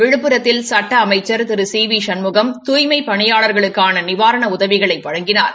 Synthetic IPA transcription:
ʋɪɻɯpːɯɾɐt̪ːɪlsɐʈːɐːmɐɪt͡ʃːɐɾt̪ɪɾɯsiːʋiʂɐnmɯɣɐmt̪uːjmɐɪpɐɳɪjaːɭɐɾɣɐɭɯkːaːnɐnɪʋaːɾɐɳɐʊðɐʋɪɣɐɭɐɪpːɐɻɐŋɡɪnaːɾ

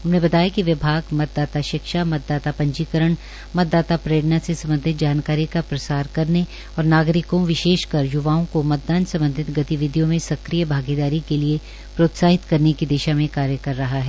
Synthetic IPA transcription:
ʊnɦẽbɐt̪aːjakiʋɪbʱaːɡmɐt̪̚d̪aːt̪aʃɪkʃamɐt̪̚d̪aːt̪apɐ̃ɲt͡ʃiːkəɾəɳ̃ | mɐt̪̚d̪aːt̪apɾɐjəɽnasesɐ̃mbənd̪ʱɪt̪̚d͡ʒaːnkaːɾikapɾɐsaːɾkɐɾne | ɔːɾnaːɡɾɪkõʋɪʃeːʃkɐɾjʊʋaːõkomɐt̪̚d̪aːnsɐ̃mbə̃nd̪ʱɪt̪ɡɐt̪iʋɪd̪ʱijõmẽsɐkɾijəbʱaːɡid̪aːɾikelie | pɾoːt̪saːɦɪt̪kɐɾnekid̪eːʃamẽkaːɾjəkɐɾːɐɦaɦɛː

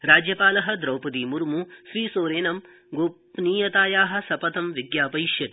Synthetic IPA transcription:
ɾaːd͡ʒjɐpaːlɐɦɐ̆d̪ɾɐwpɐd̪iːmuɾmuʃɾiːsoːɾeːnɐm | ɡoːpniːjɐt̪aːjaːɦɐ̆sɐpɐt̪ɐmʋiɡjaːpɐjʃjɐt̪i̥

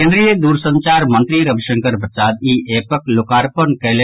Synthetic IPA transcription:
ẽɳɖɾijəd̪uːɾsə̃ɲt͡ʃaːɾmənt̪ɾiɾɐbʃəŋkəɾbəsaːd̪iːʔeːpəklokaːɾpənkɐle

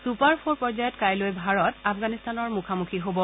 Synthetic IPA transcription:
supaɹpʰoɹpɔɹzajɔtkajlojbʱaɹɔtapʰɡanistanɔɹmukʰamukʰiɦobɔ

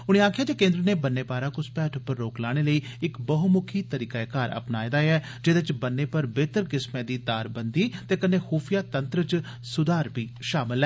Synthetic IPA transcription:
ʊɽ̃ẽːaːkʰɪjaːd͡ʒeːkẽːnd̪ɾəneːbənːeːpaːɾaːkʊspɛːʈʰʊpːəɾːoːklaːɽ̃eːləiː | ɪkbəɦʊmʊkʰiːt̪əɾiːkaːekaːɾə̰pnaːjd̪aːɛː | d͡ʒɪd̪et͡ʃbənːeːpəɾbeːt̪əɾkɪsmɛ̃ːd̪iːd̪aːɾbənd̪iːt̪eːkənːeːxuːpʰjaːt̪ənt̪ɾət͡ʃ | sʊd̪aːɾbiːʃaːmɪlɛː

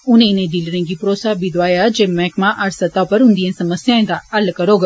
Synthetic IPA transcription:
ʊnẽnẽd̪ilɽẽɡipɾoːsaːbid̪ʋaːjad͡ʒeːmɛːkmãʔɐɾsɐt̪apɐɾɦʊ̃nd̪ijẽsɐməsjãːẽd̪aɐlkɐɾoːɡ

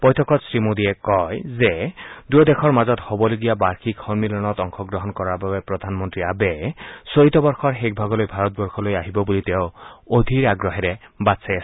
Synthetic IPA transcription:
pɔjt̪ʰɔkɔtsɹimod̪iekɔjzed̪uɔd̪ekʰɔɹmazɔt̪hobɔleɡijabaɹkʰikhɔnmilɔnɔt̪ɔŋkʰɔɡɹɔɦɔnkɔɹababepɹɔd̪ʱanmɔnt̪ɾiabesoɦit̪ɔbɔɹxɔɹɦek̚bʱaɡɔlojbʱaɾɔt̪̚bɔɹxʰɔlojaɦibɔbulit̪eʊod̪ʱiɹaɡɹɔɦɛɾebatsajas

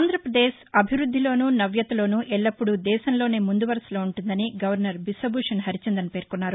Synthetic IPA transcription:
nd̪ʱɾɐpɾɐd̪eːʃɐbʱiʋɾud̪ʱːilo̞ːnuːnɐʋjɐt̪ɐlo̞ːnuːʔɛɭːɐpːuɽud̪ɛːʃɐmlo̞ːne̞ːmund̪uʋɐɾɐslo̞ːuɳʈund̪ɐniɡɐʋɐɾnɐɾbisɐbuːʂɐnɦɐɾit͡ʃɐnd̪ɐnpeːɾkunːaːɾu

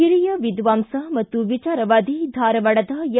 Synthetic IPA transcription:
iɾijɐʋid̪ʋaːmsɐmɐt̪ːuʋit͡ʃaːɾɐʋaːd̪ʱid̪ʱaːɾɐʋɐɽɐd̪ɐjɐ

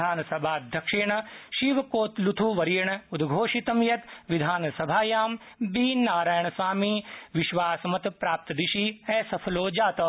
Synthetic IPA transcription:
aːnɐsɐbʱaːd̪ʱjɐkʂiɳɐʃiːʋɐkoːt̪lut̪ʰuʋɐɾiːɳɐud̪ɡʱoːʃit̪ɐmjɐt̪ʋid̪ʱaːnɐsɐbʱaːjaːm | biːnaːɾaːjɐɳɐsʋaːmiʋiʃʋaːsɐmɐt̪pɾaːp̚t̪ɐd̪iʃiesɐpʰɐloːd͡ʒaːt̪ɐ

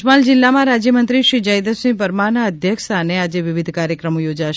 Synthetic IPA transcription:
mald͡ʒɪlːamãɾad͡ʒjəmənt̪ɾiʃɾid͡ʒajd̪əsĩpəɾmanaəd̪ʱjəksanead͡ʒeʋɪʋid̪ʱkaɾjəkɾəmojod͡ʒaʃ

